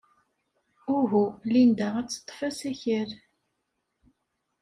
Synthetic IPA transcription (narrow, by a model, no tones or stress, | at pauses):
ʊɦulind̪æʁæt͡sːə̥t̪ˤːfæsæçəɾ